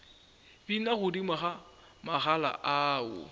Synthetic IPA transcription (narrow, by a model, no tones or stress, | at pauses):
binaɣʊdimaɣa | maɣala̰ʔaʊ̰